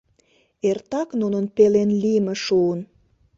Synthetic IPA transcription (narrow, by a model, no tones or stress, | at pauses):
ert̪ɑknunənpelenlimĕʃuən